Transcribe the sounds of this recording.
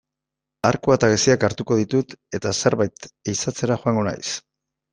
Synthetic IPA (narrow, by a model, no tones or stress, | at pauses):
aɾkuat̪aɣesiakaɾt̪uko̞ðit̪ut̪e̞t̪ase̞ɾβajt̪eisat͡se̞ɾaxoaŋɡo̞na̰js